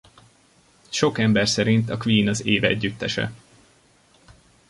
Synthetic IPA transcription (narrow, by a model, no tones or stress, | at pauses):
ʃo̞kɛmbɛrsɛɾint̪ɒkʋiːnɒzeːvɛɟːyt̪ːɛʃɛ̰